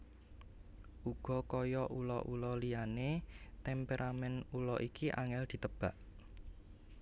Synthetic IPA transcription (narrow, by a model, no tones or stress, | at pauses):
ʔuɡ̥ɔ̤kɔjɔʔulɔ̰ʔulɔlijanet̪ɛmpeɾʔamɛnulɔʔikiʔa̰ŋɛld̪̥i̤t̪əb̥a̤ʔ